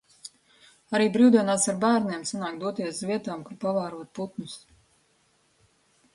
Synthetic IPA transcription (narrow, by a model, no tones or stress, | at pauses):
aɾiːbɾiwd̪iɛnaːsaɾbæːɾniɛmsanaːkd̪uɔt̪iɛszvʲiɛt̪aːmkapavaːɾuɔt̪̚put̪nus